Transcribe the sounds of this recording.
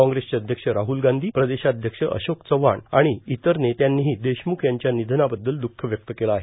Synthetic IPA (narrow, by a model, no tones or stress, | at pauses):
ɔ̃ŋɡɾest͡ɕeəd̪ʱjəkʂəɾaɦulɡand̪ʱiːpɾəd̪eɕaəd̪ʱjəkʂəʔə̰ɕokt͡səʋaɳaɽ̃iit̪əɾnet̪janːiɦiːd̪eɕmukʰjaɲt͡ɕjanid̪ʱnabəd̪ːəld̪ukʰːəʋjək̚t̪əkelaːɦe